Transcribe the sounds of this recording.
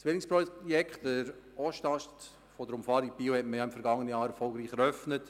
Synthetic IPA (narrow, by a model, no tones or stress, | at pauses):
sʋenɪkspɾɔjɛkχtəɾ | ɔʃtɑʃt | fɔd̪əɾʊmfɑːɾipiːwhɛtməjɑɪmfɛɾɡɑŋːənəjɑːɾɛɾfɔlɡɾiːχɛɾœfnət